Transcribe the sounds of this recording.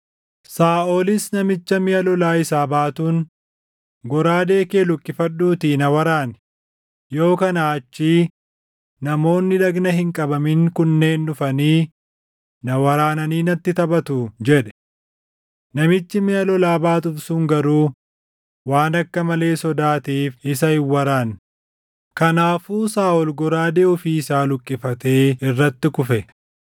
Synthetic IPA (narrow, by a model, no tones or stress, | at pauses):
saːʔo̞ːlɪsnɐmɪt͡ʃːɐmɪjɐlɔlaːɪsaːbaːt̪uːn | ɡɔɾaːd̪e̞ːke̞ːlʊkʼːɪfɐᶑːuːt̪iːnɐwɐɾaːnɛ̥ | jo̞ːkɐnaːɐt͡ʃːiː | nɐmo̞ːnːɪᶑɐɡnɐɦɪŋkʼɐbɐmɪŋkʊnːe̞ːnːʊfɐniː | nɐwɐɾaːnɐniːnɐt̪ːɪt̪ɐbɐt̪ʊd͡ʒɛᶑɛ̥ | nɐmɪt͡ʃːɪmɪɐlɔlaːbaːt̪ʊfsuŋɡɐɾuː | waːnɐkːɐmɐle̞ːsɔd̪aːt̪iːfɪsɐɪwːɐɾaːn | kɐnaːfuːsaːɔlɡɔɾaːd̪eːɔfiːsaːlʊkʼːɪfɐt̪e̞ːɪrːɐt̪ːɪkʊfɛ